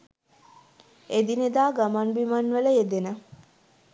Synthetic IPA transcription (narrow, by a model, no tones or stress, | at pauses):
ed̪ined̪aːɡamanbimanʋələed̪enə